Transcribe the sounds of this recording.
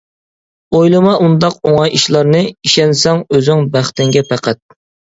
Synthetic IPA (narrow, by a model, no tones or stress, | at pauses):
ojlˠɨmɑʔund̪ɑqoŋɑjiʃlˠɑɾnɨiʃɛnsɛŋøzɪŋbæχt̪ɪŋɡʲɛpʰæqʰæt̪̚